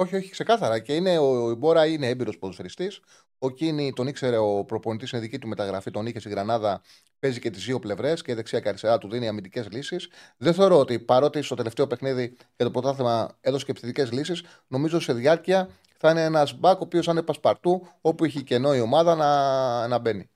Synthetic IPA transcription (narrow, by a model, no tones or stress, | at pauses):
o̞çio̞çi̥kse̞kɐθɐɾɐce̞ine̞oibo̞ɾɐineebiɾo̞spoðoseɾist̪is | o̞cinit̪o̞nikse̞ɾe̞o̞pɾo̞po̞nit̪isineðicit̪ume̞t̪ɐɣɾɐfit̪o̞niçest̪iɣɾɐnɐðɐ | pe̞zice̞t̪izðio̞ple̞vɾe̞sceiðe̞ksiɐceɐɾist̪e̞ɾɐt̪uðineiɐmind̪ice̞zlisisðenθe̞o̞ɾo̞ot̪ipɐɾo̞t̪ist̪o̞t̪e̞left̪e̞o̞pe̞xniði | ʝɐt̪o̞pɾo̞t̪ɐθemɐeðoe̥cepsθit̪ice̞zlisis | no̞mizose̞ðjɐɾciɐ | θɐineenɐzbɐko̞pio̞sɐnepɐspɐɾt̪uo̞pueçice̞no̞io̞mɐðɐnɐnɐbe̞ni